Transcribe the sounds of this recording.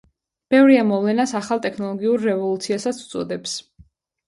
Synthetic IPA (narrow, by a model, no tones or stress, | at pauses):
b̥ɛvɾiamɔvlɛnasaχalˠt̪ʼɛkʰnɔlˠɔɡiuɾːɛvɔlˠut̪sʰiasat̪sʰu̥t̪sʼɔd̪ɛps